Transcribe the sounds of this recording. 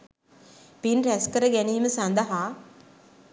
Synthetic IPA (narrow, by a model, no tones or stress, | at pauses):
pinɾɛskɐɾɐɡɛnimɨsɐnd̪ɐɦa